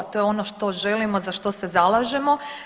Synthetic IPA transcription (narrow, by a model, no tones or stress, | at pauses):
t̪ojeo̞noʃt̪o̞ʒelimo̞zaʃt̪o̞sezalaːʒemo̞